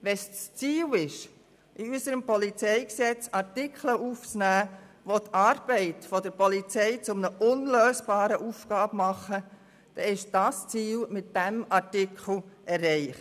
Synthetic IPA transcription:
ʋɛsst͡siːlɪʃ | iysəɾəmpɔlit͡sɛɪksɛt͡sɑtɪkʰləʔuːft͡snæːʋot̪ʰɑːɾb̥ɛɪtfɔd̪əɾpɔlit͡sɛɪt͡sʊmnəʔʊnløːsb̥ɑːɾəʔuːfɡ̥ɑːbmɑχə | d̪̥ɛɪʃd̥ɑst͡siːlmɪtd̥æmɑtɪkʰl̩ɛrːɛɪχ

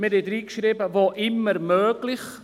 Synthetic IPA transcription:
mɪɾed̪ɾiːkʃɾibəvoːʔɪmːəɾmøːɡlɪχ

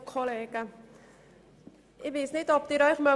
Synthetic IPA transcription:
kʰɔlɛka | ʔebesnit̪ɔp̚t̪iɾɔjkʰma

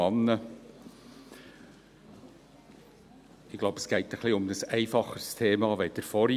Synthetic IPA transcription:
ɑnːə | ɪɡ̥lɑʊbəsɡ̥æɪt̪æχliʊmd̪əsæɪfɑχəst̪ʰeːmɑʋæɪt̚d̥ɛɾfɔɾ

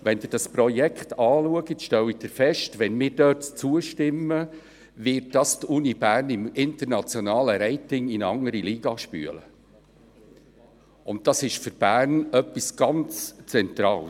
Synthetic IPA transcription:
ʋɛnd̪ɪːɾd̥ɑspɾɔjɛkχtɑːluəɡətʃtɛwid̥ɪːɾfɛʃtʋɛnmɪːɾdœtt͡suəʃtɪmːə | ʋɪːt̚d̥ɑst̪unib̥æːrnɪmɪnt̪əɾnɑt͡sjɔnɑːləɾɛɪtɪŋinəɑŋəɾiliːɡ̥ɑʃpy̰ə̰lə̰ | ʊnt̚d̥ɑsɪʃfʏɾb̥æːrnœpːisɡ̥ɑnt͡st͡sɛnt̪ɾɑːl

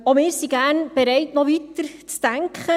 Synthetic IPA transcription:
omɪːɾsiɡæːɾnb̥ɛɾɛɪtnɔʋit̪əɾt͡stæŋkχə

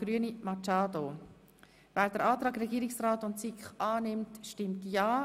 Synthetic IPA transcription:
ɾyənimɑt͡ʃaːdo | væːɾd̥əɾaːt̪ɾɑːɡrɛɡiːɾɪksraːtʊntsikχɑːnɪmtʃtɪmtjɑː

